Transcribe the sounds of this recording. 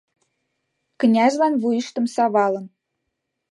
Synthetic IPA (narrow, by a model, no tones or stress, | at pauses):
knʲæʒlɑnβujəʃt̪ə̆msɑβɑlɤ̆n